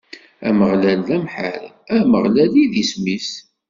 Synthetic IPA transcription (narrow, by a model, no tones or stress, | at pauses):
æməʁlælːæmħə̰ɾæməʁlæliðismis